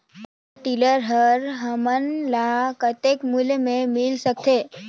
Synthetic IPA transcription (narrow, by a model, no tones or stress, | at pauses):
ʈiləɾɦəɾɦəmənlakət̪ekmulmẽmɪlsək̚t̪ʰe